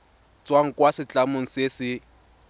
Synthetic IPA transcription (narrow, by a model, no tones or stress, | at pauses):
t͡sʼwaŋ̩kʼwasɪt͡ɬʼamoŋ̩sesɪ